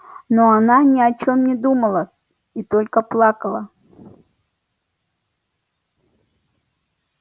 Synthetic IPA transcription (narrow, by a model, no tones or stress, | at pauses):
noananʲɪɐt͡ɕomnʲɪd̪uməlˠə | it̪olʲkəplˠakəlˠə